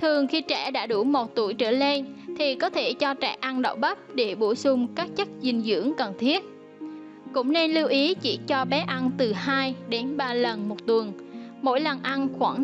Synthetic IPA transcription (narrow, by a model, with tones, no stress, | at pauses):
t̪ʰɨ˨˩əŋxi˧t͡ɕɛ˧˩ɗa̰ː˧˥ɗu˧˩mo˨˩t̚t̪u˧˩əjt͡ɕəː˧˩le˧nt̪ʰi˨˩kɔ˨˦t̪ʰe˧˩t͡ɕɔ˧t͡ɕɛ̰˧˩ʔa˧nɗə̰˧˨wɓə˦˥p̚ɗe˧˩ɓo˧˩sʊ˧ŋ͡mkaː˦˥k̚t͡ɕə˦˥k̚zï˨˩ŋzɨ̰˧˥əŋkə˨˩nt̪ʰi˦˥ət̚ | kʊ̰˧˥ŋ͡mne˧nli˧wʔi˨˦t͡ɕḭ˧˩t͡ɕɔ˧ɓɛ˨˦ʔa˧nt̪ɨ˨˩haː˧jɗe˨˦nɓaː˧lə˨˩nmo˨˩t̚t̪wə˨˩ən | mo̰˧˥jlə˨˩nʔa˧nxwaː˧˩ŋ